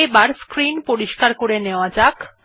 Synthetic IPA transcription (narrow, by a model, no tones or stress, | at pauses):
ebaɾskɾinpoɾiʃkaɾkoɾeneoad͡ʑak